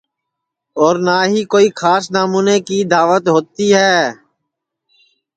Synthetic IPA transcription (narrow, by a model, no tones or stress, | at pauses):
ɔːɾnaːɦiːkoːixʰaːsnaːmuːneːkid̪aːʋət̪ɦoːt̪iɦɛː